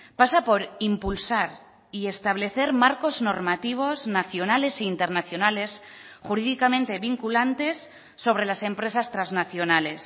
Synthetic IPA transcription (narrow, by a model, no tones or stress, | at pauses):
pasapo̞ɾimpulsaɾ | iest̪aβle̞θe̞ɾmaɾko̞zno̞ɾmat̪iβ̞o̞znaθjo̞nale̞seint̪e̞ɾnaθjo̞nale̞s | xuɾiðikamẽnt̪eβiŋkulant̪e̞sː | o̞βɾe̞lase̞mpɾe̞sast̪ɾaznaθjo̞nale̞s